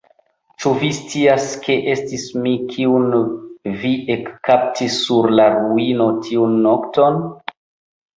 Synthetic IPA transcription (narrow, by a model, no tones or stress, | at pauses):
t͡ʃuvist͡siaskʰe̞ʔe̞stismikʰiunviʔekːap̚tʰisːuɾlaɾuino̞tʰiunːokton